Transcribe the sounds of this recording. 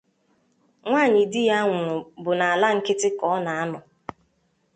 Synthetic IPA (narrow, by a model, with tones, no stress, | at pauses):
ŋʷaː˦˨ɲɪ˨dɪ˦ja˦ŋʷʊ˨bʊ˨na˨a˨la˦ŋ̩˦kɪ˦tɪ˦kɔ˦ɔ˦na˨a˦nʊ˨